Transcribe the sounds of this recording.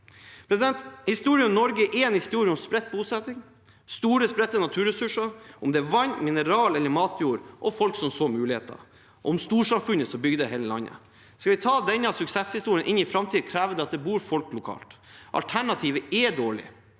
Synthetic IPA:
pʰɾɛsɪd̪ɛnt̪hɪst̪uːɾɪʉnnɔɾɡəʔɛɛnhɪst̪uːɾɪəɔmspɾɛt̪̚ːbuːsɛt̪ːɪŋ | st̪uːɾəspɾɛt̪ːənɑt̪ʰʉːɾɛsʉʂɑʔʊmd̪ɛæʋɑnːmɪnəɾɑːlɛlːəɾmɑːt̪ʰjuːɾʔɔfɔlksɔmsoːmʉːlɪhḛːt̪ə̰ | ɔmst̪uːʂɑmfʉnːəsɔbʏɡd̪əɦeːləlɑ̰nːə̰ | skɑʋɪt̪ʰɑːd̪ɛnːəɑsʉksɛshɪst̪uːɾɪənʔɪnːɪfɾɑmt̪ʰiːd̪əkʰɾæːʋəd̪ɛɑt̪̚d̪ɛbuːɾfɔlklʊkʰɑ̰ːlt̪ʔɑ̰lt̪ʰæɳɑt̪ʰiːʋəɛd̪oːɭɪ̰

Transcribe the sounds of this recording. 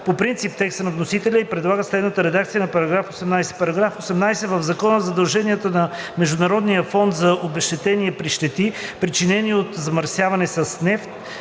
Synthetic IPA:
popɾint̪sip̚t̪ɛkst̪ənɐvnosit̪ɛlʲəipɾɛd̪lˠaɡəslɛd̪nət̪əɾɛd̪akt̪sijənɐpɐɾɐɡɾafosɛmnajsɛ̥pɐɾɐɡɾafosɛmnajsɛvəvzɐkɔnəzɐd̪ɐlˠʒɛniət̪ənɐmɛʒd̪ʊnɐɾɔd̪nijəfɔnt̪zɐʔobɛʃt̪ɛt̪ɛniəpɾiʃt̪ɛt̪ipɾit͡ʃinɛniot̪zɐmɐɾsjavɐnɛsɐsnɛft̪

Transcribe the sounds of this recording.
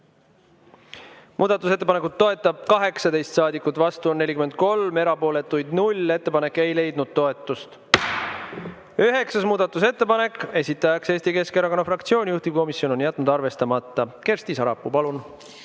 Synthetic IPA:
mʔuːd̪̥ɑt̪ːˑus̬e̞t̪ːepɑne̞kut̪ːo̞e̞t̪ːˑɑb̥̚kɑɦe̞ksɑd̪e̞jst̪sɑːd̪ikːˑut̪ːˑvɑst̪uonːe̞lʲikyme̞nd̪̚ko̞lme̞ɾɑpo̞ːle̞t̪ːˑujd̪̥nulʲe̞t̪ːe̞pɑnekːˑe̞jle̞jd̪̥nud̪̥̚t̪o̞e̞t̪ːˑust̪ | yɦe̞ksɑsmuːd̪̥ɑt̪ːˑus̬e̞t̪ːe̞pɑne̞kːˑe̞sʲit̪ˑːɑjɑkse̞ːsʲt̪ike̞skeɾɑko̞nːɑfrɑkt̪sio̞ːnʲijuht̪iko̞misjo̞no̞njæt̪ːˑnud̪ɑrve̞st̪ɑmɑt̪ˑːɑke̞rst̪isɑɾɑpːˑupɑlun

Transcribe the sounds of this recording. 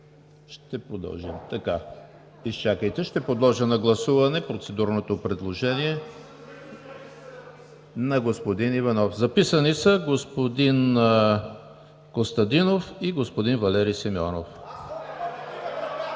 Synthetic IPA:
ʃt̪ɛpɾod̪ɐ̰lˠʒḭmt̪ɐka | ist͡ʃakəjt̪ɛʃt̪ɛpod̪lˠɔʒənɐɡlˠɐsuvɐnɛpɾot̪sɛd̪uɾnot̪opɾɛd̪lˠoʒɛniɛ | nɐɡospod̪inivɐnɔfzɐpisənisəɡospod̪in | kost̪ɐd̪inofiɡospod̪invɐlɛɾijsimʲɔ̰no̰f

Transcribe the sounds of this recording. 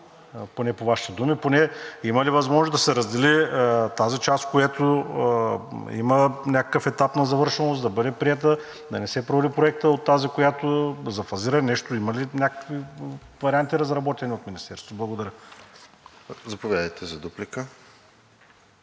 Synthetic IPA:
ponɛpovaʃi̥t̪ɛd̪umiponɛimɐlivɐzmɔʒnosd̪ɐsɛɾəzd̪ɛlit̪azit͡ʃast̪̚kojat̪o | ḭmənʲakə̥kəfɛt̪apnɐzɐvɤɾʃɛnosd̪ɐbɤd̪ɛpɾiɛt̪̬ə | d̪ɐnɛsɛpɾolipɾoɛk̚t̪əot̪ːazikojat̪ozɐfɐziɾənɛʃt̪oimɐlinʲakə̥kvivɐɾiant̪iɾɐzɾɐbɔt̪ɛniot̪minist̪ɛɾst̪blˠɐɡod̪ɐɾʲə | zɐpovʲjad̪əjt̪ʰɛzɐd̪uplikə

